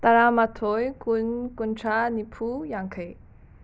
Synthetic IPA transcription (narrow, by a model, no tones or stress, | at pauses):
t̪ɐɾamat̪ʰojkunkunʈ͡ʂʰanipʰujãŋkʰəj